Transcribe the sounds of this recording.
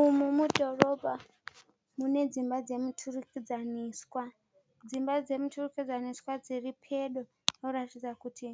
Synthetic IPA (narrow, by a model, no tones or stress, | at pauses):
umumudʱo̞ro̞bʱa | mune̞d͡zimbad͡ze̞mutʰurukid͡zaniːswa | d͡zimbad͡ze̞mutʰurukid͡zaniskwad͡ziripʰe̞ɗo | noratid͡zakutʰi